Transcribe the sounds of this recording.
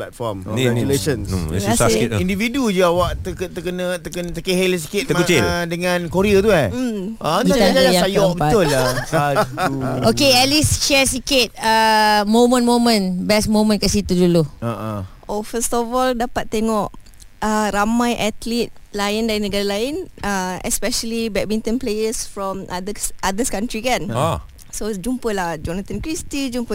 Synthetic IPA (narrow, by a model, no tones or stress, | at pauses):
plat̪̚fɔmɛulesənasindividud͡ʒuawaʔt̪əkət̪əkənət̪əkənt̪əkeɦels̬i̥kɪt̪̚əmkut͡ʃɪldəŋãnkoɾiət̪uaəiaajjaajɔbəpaʊlːaaduokeɛlist͡ʃɛsikɪt̪̚əmomə̃nmomə̃nbɛsmomə̃nkasit̪uduluaʔ | ofəst̪ɔfɔldapat̪̚ːeŋɔʔ | əɾamãjʔat̪lit̪̚laɪndainəɡaɾalaɪnʔəɛ̰spɛʃəlibɛk̚bint̪ə̃nplejəsfɾɔ̃mʔad̪əʔad̪əskant̪ɾikana | sod͡ʒumpəlahd͡ʒɔnat̪ankɾist̪id͡ʒumpə